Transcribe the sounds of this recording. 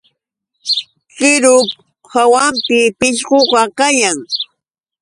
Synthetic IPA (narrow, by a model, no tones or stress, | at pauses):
ɢɪɾʊk | hawampɪpɪʃɢoɢɑkajaŋ